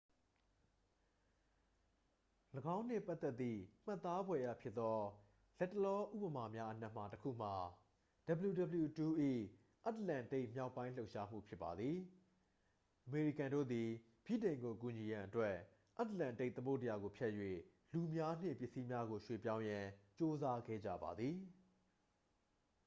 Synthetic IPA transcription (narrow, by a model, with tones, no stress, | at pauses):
ləɡã˦ʊ̃n̥ɪ̰˦˨pa˦ʔt̪ːɛ˦t̪ːḭ˦˨m̥a˦˨t̪ːa˦bwɛ˨ja̰˦˨pʰjɪ˦t̪ːɔ˦ | lɛ˦tːə˨lɔ˦ʔṵ˦˨pə˨ma˨mja˦ʔən̥a˦ʔm̥a˨təkʰṵ˦˨m̥a˨ | d̥ə˨bə˨ju˨də˨bə˨ju˨tu˨ʔḭ˦˨ | ʔa˦t̪əlã˨nte˦ɪʔmja˦ʊpːã˦ɪ̃lo˦ʊʔʃa˦m̥ṵ˦˨pʰjɪ˦pːa˨d̪ði˨ | ʔəme˨ɹi˦˨kã˨ndo̰˦˨d̪i˨ | b̥ḭ˦˨tẽ˨ɪ̃ŋɡo˨ku˨ɲi˨jã˨ʔətwɛ˦ʔ | ʔa˦təlã˨nte˦ɪʔt̪əmo˦˨tə˨ja˨ɡo˨pʰjɛ˦ʔjwḛ˦˨ | lu˨mja˦n̥ɪ̰̃˦˨pjɪ˦˨si˦mja˦ɡo˨ʃwe˨p̬jã˦ʊ̃jã˨t͡ɕo˦za˦ɡɛ̰˦˨d͡ʑa̰˦˨ba̰˨d̪ði˨